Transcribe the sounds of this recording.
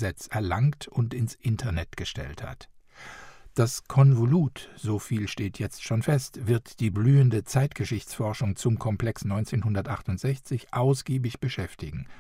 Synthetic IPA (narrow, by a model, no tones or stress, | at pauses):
zɛt͡sɛɐlaŋtʰʊntɪnsʔɪntʰɐnɛtɡ̥əʃtɛ̰ltha̰t | d̥askʰɔnvoluːtz̥oːfiːlʃteːtʰjɛt͡stʃoːnfɛstv̥ɪɐtd̥iːblyːəndət͡saɪtɡ̥əʃɪçt͡sfɔɐʃʊŋt͡sʊmkʰɔmpl̥ɛksnɔʏnt͡seːnhʊndɐtʔaχtʊntz̥ɛçt͡sɪçʔaʊsɡ̥iːbɪçb̥əʃɛftɪɡŋ̩